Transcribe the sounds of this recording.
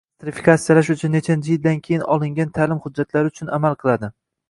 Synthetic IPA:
kt̪ɾɪfi̥kʰat̪sijalaʃ̬ʊt͡ʃʰʊnːet͡ʃʰand͡ʒʰid̪̚d̪ankʲʰejɪnɒlˠɪŋɡʲant̪ʰalɪmhʊd͡ʒːat̪laɾɪʊt͡ʃʰʊnamalˠqʰɨlˠad̪ɪ

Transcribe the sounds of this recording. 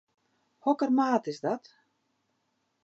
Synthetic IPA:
hɔkərmaːtɪsdɔt

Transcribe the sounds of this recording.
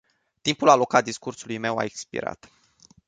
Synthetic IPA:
t̪impulalo̞kat̪̚d̪iskursulujme̞wa̰ekspḭɾa̰t̪

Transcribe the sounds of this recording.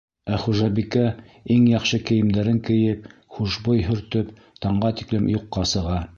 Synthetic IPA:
æχuʒɑbikæ | iŋjɑqʃɤkɘ̆jɘ̆md̪æɾɘŋkɘ̆jɘp̚χuʃbojɦɵ̆ɾt̪ɵp | t̪ɑɴɢɑt̪i̥klɘmjuqːɑsɤ̆ʁɑ

